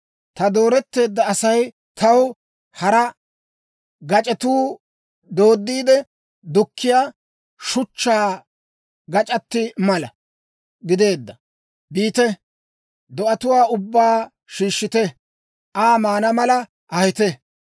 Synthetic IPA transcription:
t̪ɐd̪o̞ːɾɛt̪ːe̞ːd̪ːɐːsɐj | t̪ɐw | hɐɾɐ | ɡɐt͡ʃʼɛt̪uː | d̪o̞ːd̪ːiːd̪ɛ | d̪ʊkʰːɪjaː | ʃʊt͡ʃːaː | ɡɐt͡ʃʼɐt̪ːɪmɐlɐ̰ | ɡɪd̪e̞ːd̪ːɐ | biːt̪ɛ | d̪ɔʔɐt̪ʊwaːʊbːaː | ʃiːʃːɪt̪ɛ | ʔaːmaːnɐmɐlɐ | ʔɐhɪt̪ɛ

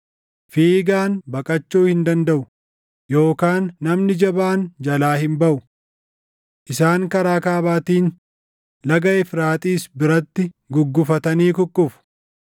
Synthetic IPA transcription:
fiːɡaːnbɐkʼɐt͡ʃːuːhɪnd̪ɐnd̪ɐʔʊ | jo̞ːkaːnːɐmnɪd͡ʒɐbaːnd͡ʒɐlaːhɪmbɐʔʊ | ʔɪsaːŋkɐɾaːkaːβaːt̪iːn | lɐɡɐʔɛfɾaːt̪ʼiːsbɪɾɐt̪ːɪ | ɡʊɡːʊfɐt̪ɐniːkʊkʼːʊfʊ̥

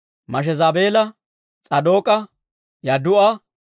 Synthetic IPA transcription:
mɐʃ̬ɛzaːbeːlɐ | t͡sʼɐd̪o̞ːkʼɐ | jɐd̪ʊʔɐ

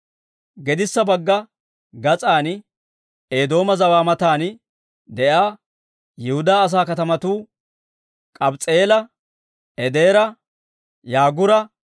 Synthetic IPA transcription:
ɡɛd̪ɪsːɐbɐɡːɐ | ɡɐt͡sʼaːn | eːd̪o̞ːmɐzɐwaːmɐt̪aːn | d̪ɛʔaː | jɪhʊd̪aːs̬aːkɐt̪ɐmɐt̪uː | kʼɐbt͡sʼeːlɐ | ɛd̪e̞ːɾɐ | jaːɡʊɾɐ

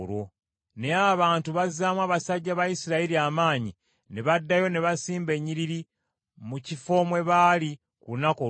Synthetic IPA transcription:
ɾo | ne̞aβaːntuβazaːmwaːβasaɟːaβajisiɾaiɾiamaːɲi | neβadːajo̞ne̞βasiːmbe̞ɲːiɾiɾi | mucifo̞mwe̞βaːli | kulunako

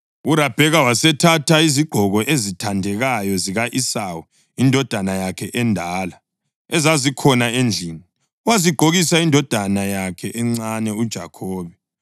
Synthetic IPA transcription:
urab̥ʱɛɣawasɛtʰatʰaiziɡ͡ǃʱɔɣɔʔezitʰandʱɛɣajɔziɣaʔisawu | indʱɔd̥ʱanajakʰɛʔɛndʱaːla | ɛzazikʰɔnaend͡ɮʱiːni | waziɡ͡ǃʱoɣisaindʱɔd̥ʱanajakʰɛʔɛŋ͡ǀanɛud̥ʒ̥ʱa̰kʰɔːβɛ

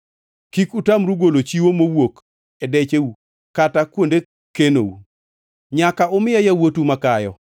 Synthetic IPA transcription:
kikutamɾuɡolot͡ʃiwomowok | ɛdɛt͡ʃeu | katakwonde | keno̰u | ɲakaʊmɪjajawotumakajɔ̰

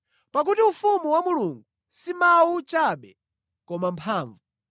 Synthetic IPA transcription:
pak̬utiufumuwamuluŋɡu | simawut͡ʃaɓɛ | kɔmampʰaːɱvu

